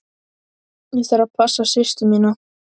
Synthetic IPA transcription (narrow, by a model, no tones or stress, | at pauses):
jɛθaɾapʰasːasɪst̪ʏmiːna